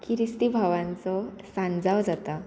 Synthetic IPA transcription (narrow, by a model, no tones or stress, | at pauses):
kʰiɾist̪ibʱaʋãnt͡sɔ | sãnd͡zaʋd͡zat̪a